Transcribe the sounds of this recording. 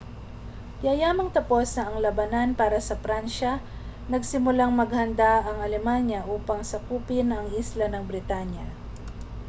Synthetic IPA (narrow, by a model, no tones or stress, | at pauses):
jajaːmɐŋt̪ɐpo̞snɐɐŋlɐbɐnanpaːɾɐsɐfɾanʃɐ | nɐɡsɪmʊlaŋmɐɡhɐnd̪aʔɐŋɐlɛmanjɐʔuːpɐŋsɐkuːpɪnɐŋʔislɐnɐŋbɾɪt̪anjɐ